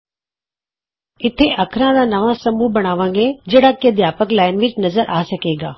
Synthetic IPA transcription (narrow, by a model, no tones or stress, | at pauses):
ɪt̪ʰeʔɐkʰɾãd̪ãːnɐʋãsɐmuːbɐɽ̃aːʋãŋɡed͡ʒeːɽaːkiəd̪jaːpəklaːɪnʋɪːd͡ʒnɐzəɾʔaːsɐkeːɡa̰ː